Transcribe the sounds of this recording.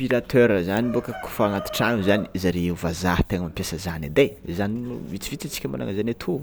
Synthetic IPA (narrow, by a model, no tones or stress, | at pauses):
piɾat̪ʰøɾəzanibukəku̥fanat̪i̥ʈ͡ʂanuzaniizaɾeeuvazaht̪eŋəmampjasəzanid̪ezaninuvit͡sivit͡sit͡si̥kʲəma̰la̰ŋəzanat̪ʰu